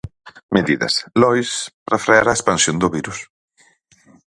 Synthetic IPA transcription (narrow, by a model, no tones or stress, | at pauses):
meðiðɐ̰slɔjspɾafɾeaɾaespansjond̪ʊβiɾus